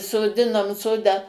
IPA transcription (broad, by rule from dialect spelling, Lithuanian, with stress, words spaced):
soːˈdʲɪnoːm ˈsoːdɑː